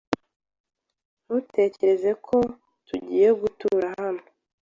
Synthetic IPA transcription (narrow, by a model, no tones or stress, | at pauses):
nute̞ːce̞ɾe̞ze̞kʰo̞ | tuɟiːje̞ɡutuːɾahano